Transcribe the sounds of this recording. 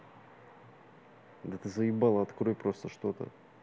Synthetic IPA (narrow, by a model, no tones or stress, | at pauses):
d̪ət̪ɨzəjɪbalˠəɐt̪kɾojpɾo̞st̪əʂt̪o̞t̪ə̰